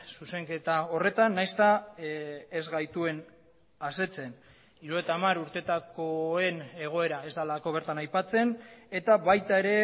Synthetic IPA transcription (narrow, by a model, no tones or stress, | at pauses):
suse̞ŋke̞t̪ao̞re̞t̪anːajst̪a | ezɣajt̪ue̞n | ase̞t͡se̞n | iɾuet̪aːmaɾuɾt̪e̞t̪ako̞e̞ne̞ɣ̞o̞e̞ɾae̞zd̪alako̞β̞e̞ɾt̪anajpat͡se̞ne̞t̪aβajt̪ae̞ɾe̞